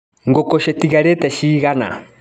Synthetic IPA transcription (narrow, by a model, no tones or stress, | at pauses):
ŋɡɔkɔʃɛtiɣaɾɛtɛʃiːɣana̰